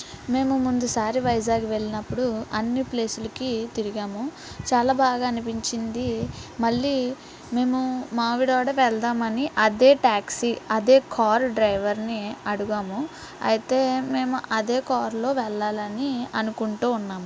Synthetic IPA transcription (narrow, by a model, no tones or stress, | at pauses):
me̞ːmumund̪usaːɾiʋɐjd͡ʒaːɡuʋe̞ɭːinɐpːuɽuɐnːiple̞ːsulɐkit̪iɾiɡaːmu | t͡ʃaːlaːbaːɡaːnipiɲt͡ʃind̪imɐɭːi | me̞ːmumaːʋiɽʋaːɽɐʋɛɭd̪aːmɐniʔɐd̪e̞ːʈaːksiɐd̪e̞ːkʰaːɾɖɾɐjʋɐɾniɐɽuɡaːmu | ɐ̰jit̪e̞ːme̞ːmuʔɐd̪e̞ːkaːɾlo̞ːʋɛɭːaːlɐniɐnukuɳʈuːunːaːmu